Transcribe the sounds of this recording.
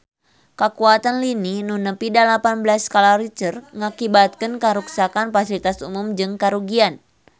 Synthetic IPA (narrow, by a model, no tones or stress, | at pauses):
kakuat̪anlininunəpidalapanblaskalaɾit͡ʃərŋakibat̪̚kənkaɾuksakanfasilit̪asumumd͡ʒɨŋkaɾuɡian